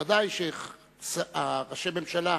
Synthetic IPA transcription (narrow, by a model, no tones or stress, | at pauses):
ad̪ajʃe | saʁaʃememʃala